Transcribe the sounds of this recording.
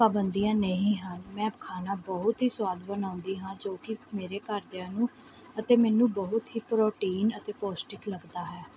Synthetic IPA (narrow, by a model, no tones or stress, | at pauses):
paːbənd̪ijãːnəɦĩːɦənmɛ̃ːbkʰaːnaːbəɦʊt̪ɦiːsʊwaːd̪bənãːʊ̃nd̪iːɦãːd͡ʒoːkɪmeːɾeːkəɾd̪eãːnũː | ət̪eːmɛːnũːbəɦʊt̪ɦiːpɾoːʈiːnət̪eːpoːsʈɪkləɡd̪aːɦɛː